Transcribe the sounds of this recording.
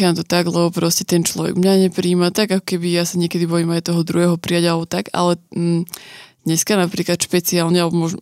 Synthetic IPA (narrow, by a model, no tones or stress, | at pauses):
amt̪ɔt̪aɡlɛbɔpɾɔscɛ̥t̪ɛnt͡ʃlɔ̰ʋɛ̰ɡmɲaɲɛpɾiːmat̪aɡakɔ̥kɛbijasaɲɛkɛd̪ibɔjimajt̪ɔɦɔd̪ɾuɦɛːɦɔpɾijaɟalɛbɔt̪aɡa̰lɛ | d̪̥ɲɛskanapɾiːklat̪ʃpɛt͡siaːlɲɛalbɔmɔʒ